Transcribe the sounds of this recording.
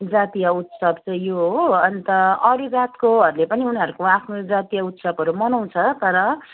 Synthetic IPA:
d͡zat̪ijaut̪sʌbt͡sʌ̃j̃joɦoʌnt̪ʌʌɾuɡat̪koɦʌɾulepʌniunɦʌɾukoapʰnod͡zat̪ijaut̪sʌbʌɾumʌnaw̃t͡sʰʌt̪ʌɾʌ

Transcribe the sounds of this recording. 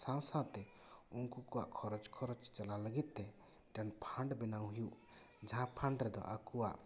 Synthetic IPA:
sãw̃sawt̪ɛ | unkukɔwa̰ʔkʰɔɾɔd͡ʒkʰɔɾɔt͡ʃt͡ʃalaləɡit̪̚ˀt̪ɛ | ʈɛnpʰãɳɖbɛnawɦijuʔ | d͡ʒɦãpʰãɳɖɾɛd̪ɔ̰ʔakuwa̰ʔ

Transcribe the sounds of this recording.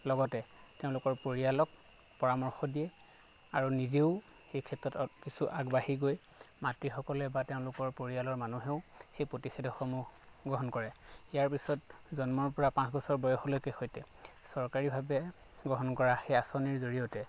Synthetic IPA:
lɔɡɔtɛ | teʊ̃lʊkɔɹpoɹialɔk̚ | pɔɹamɔɹxɔdijɛ | a̰ɹunizeʊ | xejkʰɛtɹɔtkisuʔaɡbahiɡoj | matɹixɔkɔlɛbateʊ̃lʊkɔɹpoɹialɔɹmanuɦɛʊ | xejpɹotixedʱɔxɔmʊ | ɡɹɔɦɔnkɔɹɛ | ijaɹpisɔt̚ | zɔnmɔɹpɔɹapãsbɔsɔɹbɔjɔxɔlojkɛxojtɛ | sɔɹkaɹibʱabɛ | ɡɹɔɦɔnkɔɹaxejasɔniɹzoɹijotɛ

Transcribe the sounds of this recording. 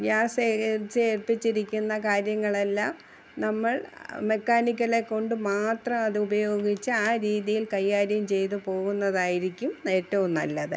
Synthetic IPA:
ʋjaːset͡ɕːeːrpit͡ɕːiɾikʲːunːɐkaːɾjɐŋːɐɭelːaːm | nɐmːɐɭme̞kːaːnik̬ʲːɐle̞kːo̞ɳɖɨmaːt̪rɐmɐðɨubɐjo̞ːɡit͡ɕːɨaːɾiːðijilkɐjːaːɾjɐmt͡ɕe̞jt̪upo̞ːɣunːɐðaːjiɾikʲːumneːʈːɐʋumnɐlːɐðɨ

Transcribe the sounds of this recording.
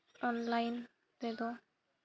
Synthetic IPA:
ɔnlajn | ped̪o

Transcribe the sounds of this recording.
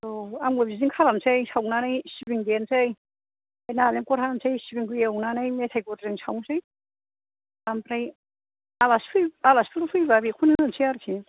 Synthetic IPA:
oamɡɯbiziŋkʰalamsajsawnanajsibiŋdensaj | ajnalenkɔɾɦaamsʰajsibiŋkʰɯjewnanajmet̪ʰajkɔtaɾiŋsʰawŋsaj | ampɾaj | alaspʰɯjalaspʰɯɾpʰɯjbabikʰunɯnsʰiaɾsʰi

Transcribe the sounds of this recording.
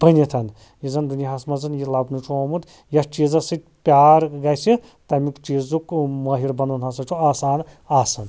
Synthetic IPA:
bənit̪ʰɐn | jizɐnd̪uniɦɐsmɐzɐnjilabnut͡ʃʰoːmud̪ | jɐst͡ʃiːzɐsɨt̪ʲ | pʲaːɾɡasi | t̪ɐmikt͡ʃiːzukmɐɦiɾbɐnunɦasɐt͡ʃʰuaːsaːn | aːsɐn

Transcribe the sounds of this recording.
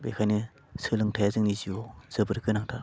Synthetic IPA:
bḛkʰajnɯ | sɯlɯŋtʰajazɯŋniziɔz̥ɯbɯɾkɯnaŋtʰa

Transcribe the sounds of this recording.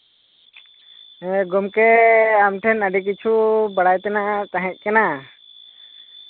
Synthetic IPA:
ɡɔmkɛamʈʰɛnəɖɛk̬it͡ʃʰubaɽajt̪ɛnat̪ãɦɛ̃t̪̚ˀkɛna

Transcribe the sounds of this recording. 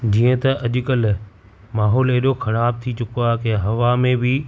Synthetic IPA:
d͡ʑiːə̃t̪ɐʔɐʄʊkəl | maːɦɔːleɦɗoxɐɽaːb̚t̪ʰit͡ɕʊkoakẽɦɐʋamẽbɪ

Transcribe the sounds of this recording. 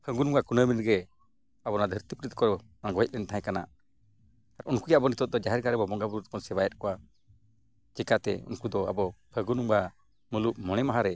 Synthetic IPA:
pʰəɡunumɡakunəminɾɡɛ | abɔnad̪ʱəɾt̪ipɾit̪̚kɔɾɔnaɡɔɦɛt̪̚lɛnt̪aɦɛ̃kana̰ʔ | aɾunkujaʔbɔnit̪ɔt̪̚d̪ɔd͡ʒaɦɛɾɡaɾɛbɔbɔŋɡabuɾut̪̚kɔnsɛbajɛt̪̚kɔwa | d͡ʒɛkat̪ɛ̰ṵnkud̪ɔa̰bɔpʰəɡunuŋba | məlup̚mɔɽ̃ɛmaɦaɾɛ

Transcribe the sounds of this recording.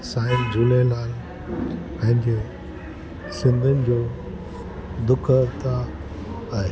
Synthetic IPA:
saːɪnd͡ʑuːlelaːl | pɐ̃ɦɪ̃ɲd͡ʑe | sɪ̃nd̪ʱənɪ̆d͡ʑoː | d̪ʊkʰət̪ʰa | ae

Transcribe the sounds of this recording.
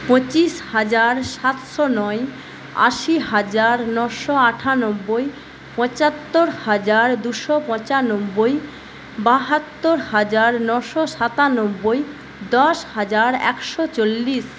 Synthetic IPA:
põt͡ɕiʃhad͡ʑaɾʃat̪ʃɔnɔe | a̰ʃiɦad͡ʑaɾnɔʃɔaʈʰanobːoj | pɔ̃t͡ɕat̪ːoɾhad͡ʑaɾd̪uʃɔpɔ̃t͡ɕanobːoj | baɦat̪ːoɾhad͡ʑaɾnɔʃɔʃat̪anobːoj | d̪ɔʃhad͡ʑaɾɛ̰kʃɔt͡ɕolːiʃ

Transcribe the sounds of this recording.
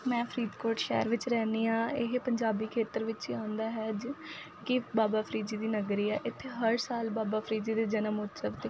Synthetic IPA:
mɛ̃ːpʰɾiːd̪koːɾʈʃɛ̰ːəɾʋɪt͡ʃɾɛːniːãːɪɦepəɲd͡ʒaːbiːkʰeːt̪əɾʋɪt͡ʃiãːʊnd̪aːɦɛːd͡ʒ | kɪbaːbaːpʰɾiːd͡ʒiːd̪iːnəɡɾiːɛːʔɪt̪ʰːeːɦəɾsaːlbaːbaːpʰɾiːd͡ʒiːd̪eːd͡ʒənəmʊt̪səbt̪eː

